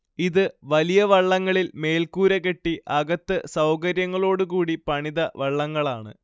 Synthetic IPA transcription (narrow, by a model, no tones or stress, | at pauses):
iðɨʋɐlijɐʋɐɭːɐŋːɐɭilme̞ːlkuːɾɐɣe̞ʈːiʔɐɡɐt̪ːɨsɐwkɐɾjɐŋːɐɭo̞ːɽukuːɽipɐɳiðɐʋɐɭːɐŋːɐɭaːɳɨ̰